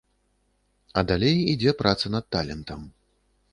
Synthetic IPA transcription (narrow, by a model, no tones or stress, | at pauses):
ɐd̪alʲɛjid͡zʲɛpɾʔat̪sɐnɐt̪̚t̪ːalʲɛnt̪ɐm